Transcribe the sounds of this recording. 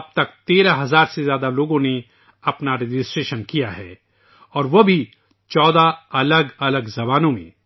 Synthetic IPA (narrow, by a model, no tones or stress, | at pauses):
ɐb̚t̪ɐk̚t̪eːɾaɦɐzaːɾsezjaːd̪aloːɡõne | ɐpnaɾɪd͡ʒɪsʈɾeːʃənkijaɦɛ̰ː | ɔːɾʋobʱi | t͡ʃɔːd̪aɐləɡɐləɡzɐbaːnõmḛ̃